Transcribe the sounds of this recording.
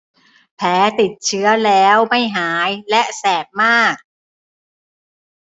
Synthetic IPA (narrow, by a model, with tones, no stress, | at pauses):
pʰɛː˨˦˥t̪i˨˩t̪̚t͡ɕʰɯ˦˥ɐlɛː˦˥wma˥˩jɦaː˩˦jlɛ˦˥ʔsɛː˨˩k̚maː˥˩k̚